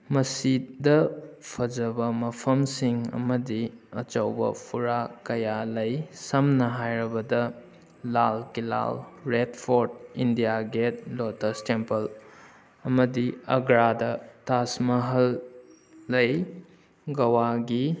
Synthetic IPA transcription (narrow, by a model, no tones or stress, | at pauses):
mɐsidɐpʰɐd͡ʒɐbɐmɐpʰɐmsiŋɐ̰mɐdiɐ̰t͡ʃɐwbɐ̰pʰuɾakɐjalɐjsɐmnɐɦajɾɐbɐdɐ | lalkila̰lɾetpʰoɾdindijaɡet̚lotɐstempɐl | ɐmɐdiɐɡɾadɐtasmɐɦɐlː | ɐj | ɡɐwaɡi